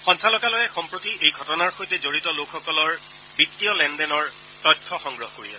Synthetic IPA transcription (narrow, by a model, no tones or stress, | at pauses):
xɔnsalɔkalɔjɛxɔmpɹotiejɡʱɔtɔnaɹxojtɛzoɹitɔlokʰxɔkɔlɔɹ | bitːiɔlɛndɛnɔɹ | tɔjtkʰːɔxɔŋɡɹɔɦɔkoɹiɛ̰sɛ